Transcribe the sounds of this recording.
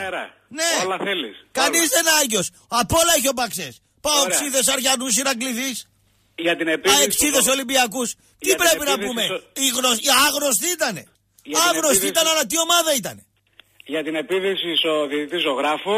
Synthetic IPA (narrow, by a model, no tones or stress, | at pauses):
eɾɐ | ne̞lɐθeliskɐnizðenɐʝo̞s | ɐpo̞lɐeço̞pɐkses | pɐoekssiðe̞s̬ɐɾʝɐnus̬iɾɐkliðis | ʝɐt̪inepɐeksiðes̬olimbiɐkus | t̪ipɾe̞pinɐpume̞iɣnosiɐɣno̞st̪iit̪ɐne̞ | ʝɐɣnost̪iit̪ɐnɐnɐt̪̬io̞mɐðɐit̪ɐne̞ | ʝɐt̪ine̞piðisisoðit̪it̪isoɣɾɐfo